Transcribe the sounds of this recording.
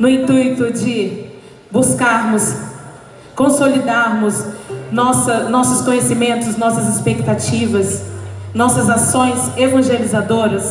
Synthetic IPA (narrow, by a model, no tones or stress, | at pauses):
nʊĩt̪ujt̪ʊd͡ʒɪ | buskaɾmʊs | kõsolid̪aɾmʊsnɔsɐnɔsʊskõɲesimẽnt̪ʊsnɔsɐzɪspek̚t̪at͡ʃivɐsnɔsɐzasõj̃zevɐ̃ʒelizad̪oɾɐs